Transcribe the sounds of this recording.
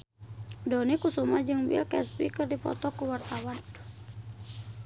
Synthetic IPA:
dɔnikusumad͡ʒɨŋwḭlkɛsbikɨrdipɔ̰t̪ɔkuwart̪awan

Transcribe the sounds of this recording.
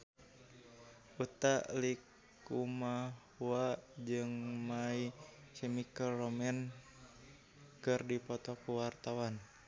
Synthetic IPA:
ut̪alik | uma | uad͡ʒɨŋmaikɛmikəlromɛn | kɨrdipɔt̪ɔkuwart̪awan

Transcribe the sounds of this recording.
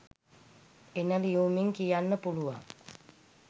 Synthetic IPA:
enəlijuːmiŋkijanːəpuluʋa̰ŋ

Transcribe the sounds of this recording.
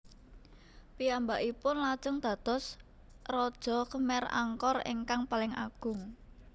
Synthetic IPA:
piambaʔipʊnlad̥ʒ̥ʊŋd̪̥ä̤t̪ɔs | rɔd̥ʒ̥ɔ̤kəmɛra̰ŋkɔrḛŋkaŋpalɪŋa̰ɡ̥ʊŋ

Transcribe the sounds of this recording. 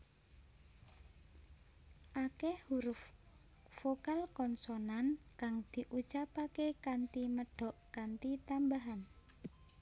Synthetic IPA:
ʔakehhuɾʊf | fokalkɔnsɔnankaŋd̪̥i̤ʔut͡ʃapakekant̪iməɖ̥ɔ̤ʔkant̪it̪ambaɦan

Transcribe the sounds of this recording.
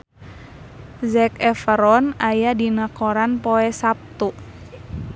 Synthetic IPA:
zɛkɛfəɾɔnajadinakɔɾanpɔɛsap̚t̪u

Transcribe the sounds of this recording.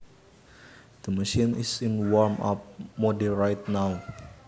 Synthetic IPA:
d̪̥əməʃĩnisinwɔɹmʔa̰p̚modiɹajt̪̚naw

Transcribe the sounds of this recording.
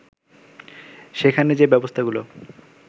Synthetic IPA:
ʃekʰaned͡ʑebɛbost̪ʰaɡulo

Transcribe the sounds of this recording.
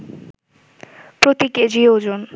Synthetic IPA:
pɾot̪iked͡ʑiod͡ʑon

